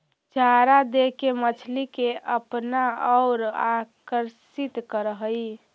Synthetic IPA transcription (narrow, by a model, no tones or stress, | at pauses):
d͡ʒʱaːɾad̪ekemət͡ʃʰlikeʔəpnaɔːɾakəɾsit̪kəɾəɦəi